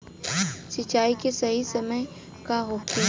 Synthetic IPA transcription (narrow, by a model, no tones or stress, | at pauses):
sɪt͡ʃaːikesɐɦisɐməj | kaɦoːki